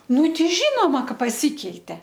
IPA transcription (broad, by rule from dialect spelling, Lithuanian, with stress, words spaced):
ˈnʊ ˈtʲɛɪ ˈʒʲiːnoːmɐ ˈkɐ pɐˈsʲiːkʲɛɪtʲɛ